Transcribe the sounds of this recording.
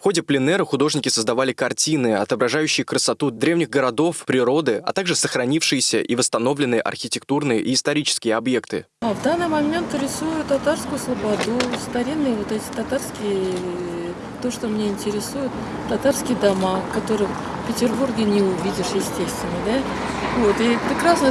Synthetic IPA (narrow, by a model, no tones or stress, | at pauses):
fxo̞dʲɪplʲɪnɛɾəxʊd̪o̞ʐnʲɪkʲɪsəzd̪ɐvalʲɪkɐrtʲinɨɐt̪əbɾɐʐajʉɕːɪjəkɾəsɐt̪ud̪ɾʲe̞vnʲɪɣɡəɾɐd̪o̞fpɾʲɪɾo̞d̪ɨɐ̰t̪aɡʐɨsəxɾɐnʲifʂɨjɪsʲəʔivəst̪ɐno̞vlʲɪnːɨjəʔɐ̰rxʲɪtʲɪkt̪urnɨjə̰ʔiːst̪ɐɾʲit͡ɕɪ̥skʲɪjəɐbje̞kt̪ɨ̰ | avd̪anːɨjmɐmʲe̞nt̪ɾʲɪsujʊt̪t̪ːɐt̪arskʊjʊslˠəbɐd̪ust̪ɐɾʲinːɨjəvo̞t̪ɛtʲɪ̥t̪ɐt̪arskʲɪjə | t̪ːo̞ʂt̪o̞mnʲeɪnʲtʲɪɾʲɪsujʊt̪ː | ɐt̪arskʲɪjəd̪ɐmakkːɐt̪o̞ɾɨ | fpʲɪtʲɪrburɡʲɪnʲɪʊvʲidʲɪʂjɪsʲtʲest̪vʲɪnːəd̪a | vo̞t̪ipɾʲɪkɾasnə